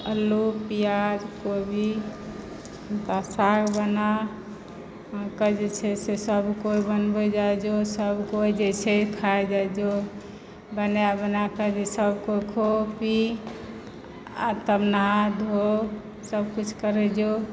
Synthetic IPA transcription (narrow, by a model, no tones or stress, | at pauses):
əlːupijad͡ʒkobʱi | t̪asaɡbəna | ãkəd͡ʒet͡ʃʰɛsesəbʱkoibənbɛd͡ʒad͡ʒosəbʱkoid͡ʒet͡ʃʰekʰaed͡ʒad͡ʒo | bənjabənakəd͡ʒesəbkokʰopi | a̰t̪əbnad̪ʱo | səbkut͡ʃʰkəɾɛd͡ʒo